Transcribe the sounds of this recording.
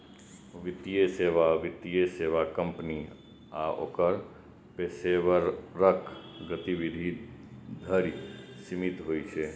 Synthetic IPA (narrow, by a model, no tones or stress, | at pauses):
ʋɪt̪ijeseːʋaʋɪt̪ijeseːʋakə̃mpni | a̰ʔo̰kəɾ | peːseʋəɾɾəkʰɡət̪iʋɪd̪ʱid̪ʱəɾsɪmɪt̪ɦoit͡ʃʰeː